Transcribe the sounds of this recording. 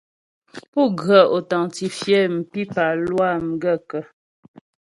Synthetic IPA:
pu˦ɡɰə˨o˨ta˨ŋti˨fjɛ˦m̩˨pi˦pa˨lwa˦˨m̩˨ɡə˦kə˨

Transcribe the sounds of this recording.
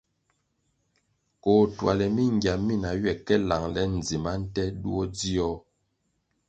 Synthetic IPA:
ko˨twa̰˨lɛ˨mi˦ŋ˨ɡja˨mi˦˨na˨ɥɛ˨kɛ˦la˨ŋlɛ˦n̩˨d͡zi˨ma˦n̩˦tɛ˦du˦ɔ˦d͡zi˦ɔ˦

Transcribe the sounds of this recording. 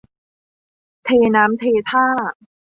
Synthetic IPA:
t̪ʰeː˧naː˦˥mt̪ʰeː˧t̪ʰaː˥˩

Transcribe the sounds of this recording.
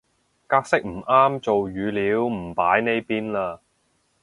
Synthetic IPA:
kaː˧k̚sɪ˥k̚m̩˨˩aː˥mt͡ʃo˨wjyː˨˧liː˨˥wm̩˨˩paː˨˥jne˥jpiː˥nlaː˧

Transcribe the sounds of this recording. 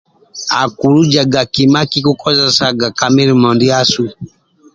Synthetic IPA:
a̰˨ku˨ɾu˦d͡ʒa˨ɡa˨ki˨ma˦ki˦ku˦kɔ˦za˨sa˦ɡa˨ka˨mi˦ɾi˨mɔ˨ndi˦a˦su˦

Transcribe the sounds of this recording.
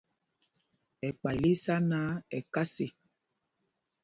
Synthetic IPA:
ɛ˨k͡pa˨li˦sa˦na˦ɛ˨ka˦se˨

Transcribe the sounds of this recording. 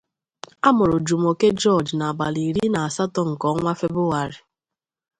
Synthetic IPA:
a˦mʊ˨ɾʊ˨d͡ʒu˨m˨o˨ke˦d͡ʒɔ˦˨d͡ʒna˨ba˨li˨ɾi˦na˨a˨sa˦tɔ˦ŋ̩˨kɔ˦ŋʷa˦fe˦bʊ˦ɣa˨ɾɪ˨

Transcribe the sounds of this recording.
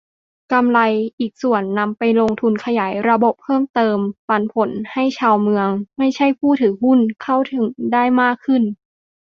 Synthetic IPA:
ka˧mla˧jʔiː˨˩k̚su˨˩ənːa˧mpa˧jlo˧ŋt̪ʰu˧nkʰa˧jaː˩˦jɾa˧bo˨˩p̚ʰɤː˥˩mt̪ɤː˧mpaː˧npʰo˩˦nha˥˩jt͡ɕʰaː˧wmɯ˧əŋma˥˩jt͡ɕʰa˥˩jpʰuː˥˩t̪ʰɯː˩˦ŋɦu˥˩nkʰa˥˩wt̪ʰɯ˩˦ŋdaː˥˩jmaː˥˩kʰːɯ˥˩n

